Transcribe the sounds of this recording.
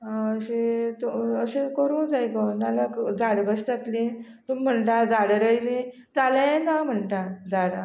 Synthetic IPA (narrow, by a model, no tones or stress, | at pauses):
ɦãəɕet̪uəɕẽkəɾũːd͡zajkənalakd͡zaɽɡəst̪at̪le | t̪umm̤əɳʈad͡zaɽɾəjlĩ | d͡zalaẽnam̤əɳʈad͡zaɽa